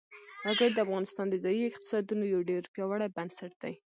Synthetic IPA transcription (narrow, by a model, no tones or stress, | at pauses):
xɑɡɪɾd̪əafɣɑnɪst̪ɑnd̪əzɑjiɪq̚t̪ɪ̥sɑd̪unojawɖeɾpjɑwaɽajbansaʈ̚d̪aj